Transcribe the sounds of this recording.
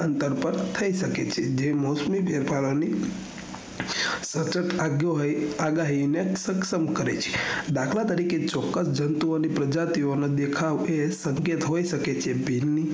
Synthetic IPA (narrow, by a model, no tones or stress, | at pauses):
ənt̪əɾpəɾt̪ʰəiʃəket͡ʃʰed͡ʒemosmibeɾpʰaɾoni | sət͡ʃəʈʰoaɡaɦinesəkʃəmkəɾet͡ʃʰe̥d̪akʰlat̪əɾiket͡ʃɔkːəsd͡ʒənt̪uonipɾəd͡ʒat̪ioned̪ekʰaʋesəŋket̪ɦoiʃəket͡ʃʰebʱilni